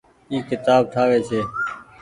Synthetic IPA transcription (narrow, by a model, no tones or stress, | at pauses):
iːkɪt̪aːb̚ʈʰaːʋeːt͡ʃʰeː